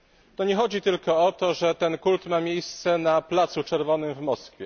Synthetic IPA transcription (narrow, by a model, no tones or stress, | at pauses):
t̪ɔɲɛxɔd͡ʑit̪ɘlkɔɔt̪ɔʐɛt̪ɛnkult̪mamʲjejst̪sɛnaplat̪sut͡ʂɛɾvɔnɘmvmɔskfʲjɛ